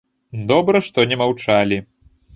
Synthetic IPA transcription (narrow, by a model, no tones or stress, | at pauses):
d̪ɔbɾɐʂt̪ɔnʲɛmawt͡ʂalʲi